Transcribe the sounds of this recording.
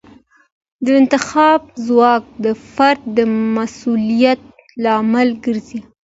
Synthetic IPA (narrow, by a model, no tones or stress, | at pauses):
d̪əɪnt̪ɪxɑb̚zwɑk̚d̪əfaɾd̪̚ːəmasulijat̪̚ | lɑmalɡəɾzi